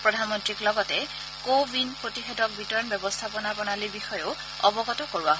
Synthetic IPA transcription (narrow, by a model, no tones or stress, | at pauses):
pɹɔdʱanmɔntɹiklɔɡɔtɛ | kobinpɹotixedɔk̚bitɔɹɔnbjɔbɔstʰapɔnabɔnalibixɔjʊ | ɔbɔɡɔtɔkoɹuaɦ